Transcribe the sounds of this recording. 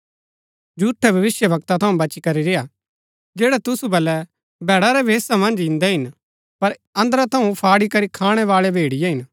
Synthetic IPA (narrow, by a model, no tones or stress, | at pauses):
d͡ʒuːʈʰːɛbʱɐʋɪsjəbɐkt̪at̪ʰɐũbɐt͡ʃikɐɾiɾeja | d͡ʒeːɽɛt̪ʊsubɐlɛ | bʱɛːɽaɾɛbʱeːsamɐ̃nd͡ʒɪ̃nd̪ɛɦɪn | pɐɾɐ̃nd̪ɾat̪ʰɐũpʰaːɽikɐɾikʰaːɽ̃ɛʋaːɭɛbʱeːɽɪjɛɦɪn